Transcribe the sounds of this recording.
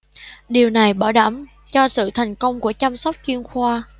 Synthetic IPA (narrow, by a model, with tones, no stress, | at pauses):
ɗi˨˩əwna˨˩jɓɔː˧˩ɗa˧˩m | t͡ɕɔ˧sɨ̰˧˨t̪ʰa˨˩jŋ̟kə˧wŋ͡mku˧˩ət͡ɕa˧msa˦˥wk͡p̚t͡ɕwi˧ənxwaː˧